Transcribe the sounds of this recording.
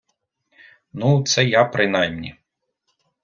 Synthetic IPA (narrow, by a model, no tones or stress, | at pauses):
nut̪sɛjapɾʔɪnɑjmnʲḭ